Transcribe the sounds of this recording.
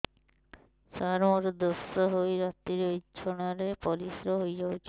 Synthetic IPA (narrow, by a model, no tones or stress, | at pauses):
saɾmɔɾd̪osɔɦojɾat̪ːiɾoid͡ʒʰʱɔñaɾepɔlisɾɔɦojd͡ʒawt͡ʃʰi